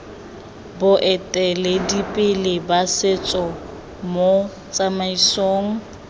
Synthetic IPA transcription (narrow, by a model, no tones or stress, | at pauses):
bʊʔɛtʼɛlɪdipʼɪlɪbasɪt͡sʼɔ | mo | t͡sʼamaisoːŋ̩